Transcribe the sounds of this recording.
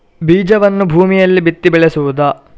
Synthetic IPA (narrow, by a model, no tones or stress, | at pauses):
biːd͡ʒɐʋɐnːubʱuːmijɐlːibit̪ːibɛɭesuʋud̪ɐ